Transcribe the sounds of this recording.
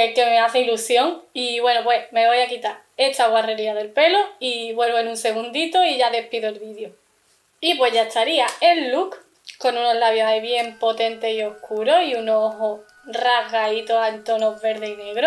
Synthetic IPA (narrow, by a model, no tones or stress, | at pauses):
eke̞meaθeilusjo̞ŋiβwe̞nopweme̞β̞o̞jakit̪aɾ | e̞t̪aɣware̞ɾiaðe̞lpe̞loiβwe̞lβoenũnse̞ɣ̞und̪it̪oiʝaðe̞piðoelβiðjo | ip̬we̞ʝaest̪aɾiaenluk | ko̞nũno̞ɦlaβjosaiβje̞mpo̞t̪e̞nt̪e̞sio̞hkʰuɾo̞ɦiunooɦo | raɦɣait̪oant̪o̞no̞βe̞ɾðeine̞ɣɾo